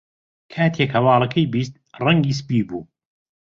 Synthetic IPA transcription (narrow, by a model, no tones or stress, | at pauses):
kʰaːt̪ʰekhɐwɑːlˠɐkʰɐjbiːst̪̚rɐŋɡiːs̬ɨ̥piːbuː